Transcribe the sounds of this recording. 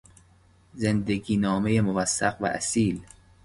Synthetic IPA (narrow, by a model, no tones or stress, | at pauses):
zend̪eɡiːnɒːmejemovæsːæqvæ̰ʔæ̰siːl